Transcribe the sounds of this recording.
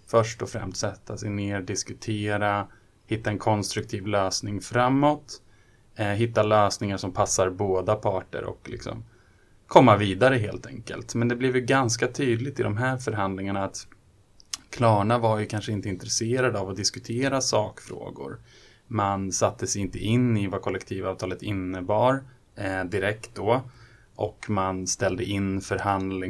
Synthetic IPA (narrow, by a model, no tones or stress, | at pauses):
fœʂʈɔfɾɛ̰mst̪sɛt̪ʰːasɛjneːɖɪskɵt̪ʰeːɾa | hɪt̪ːaɛnkʰɔnst̪ɾɵk̚t̪ʰiːvløːsnɪŋfɾamːɔt̪ | ɦɪt̪ːaløːsnɪŋaʂɔmpʰasːaɾboːd̪apʰɑːʈə̰ɾɔ̰klɪ̰ksɔ̰m | kʰɔmːaviːd̪aɾəɦḛːlt̪ʰɛ̰ŋkə̰lt̪mɛnd̪ɛblɪvjɡanskat̪ʰyːd̪lɪt̪ɪd̪ɔmɦæːɾfœɾɦand̪lɪŋaɳaːt̪ | kʰlɑːɳavaɾjɵkʰanʂəɪnt̪əɪnt̪ɾɛseːɾad̪avɔd̪ɪskɵt̪ʰeːɾasɑːkfɾo̰ːɡʊ̰ɾ | mansat̪ːəsɛjɪnt̪əʔɪnːɪvakʰɔlːɛkt̪ʰiːvɑːvt̪ʰɑːlət̪ɪnːəbɑːɾ | d̪ɪɾɛkt̪̚d̪ɔ | ʔɔkmanst̪ɛld̪əʔɪnːfœɾhand̪lɪ